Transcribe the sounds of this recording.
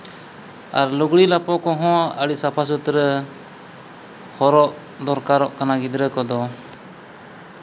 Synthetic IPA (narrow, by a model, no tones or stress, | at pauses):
a̰ɾluɡɽilapɔkɔɦɔ̃əɽiʔsapʰas̬ut̪ɾə | hɔɾɔʔ | d̪ɔɾkaɾɔʔkanaɡid̪ɾəkɔd̪ɔ